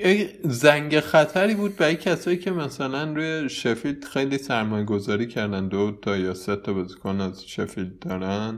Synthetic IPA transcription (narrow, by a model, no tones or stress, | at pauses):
jeczæŋɟexæt̪ʰæɾiːbuːd̪̚bæɾjecʰæsɒːjiːcʰe̞mæsælænɾuːjeʃefild̪̥xejliːsæɾmɒːjeɡo̞zɒːɾiːcʰæɾd̪ænd̪ot̪ʰɒːjɒːset̪ʰɒbɒzikʰoːnæzʃefild̪̚ːɒːɾæn̥